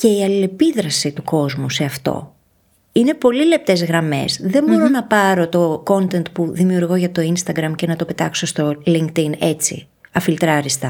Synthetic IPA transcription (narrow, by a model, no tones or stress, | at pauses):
ce̞iɐlile̞piðɾɐsit̪uko̞zmuse̞ɐft̪o̞̰ | ine̞po̞lile̞p̚t̪e̞zɣɾɐme̞̰sðe̞mbo̞ɾo̞nɐpɐɾo̞t̪o̞ko̞nt̪e̞nt̪puðimiuɾɣo̞ʝɐt̪o̞inst̪ɐɡɾɐmce̞nɐt̪o̞pe̞t̪ɐkso̞st̪o̞liŋkt̪ine̞t͡sḭ | ɐfilt̪ɾɐɾist̪ɐ